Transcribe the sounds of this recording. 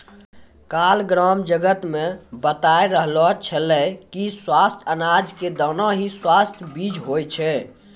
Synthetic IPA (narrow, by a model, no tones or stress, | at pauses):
kalɡɾɔmd͡ʒəɡət̪mebət̪aeɾəɦlɔt͡ʃʰəlɛkiswast̪ʰənad͡ʒked̪ənɔ̃ɦiswast̪ʰbid͡ʒɦojt͡ʃʰɛ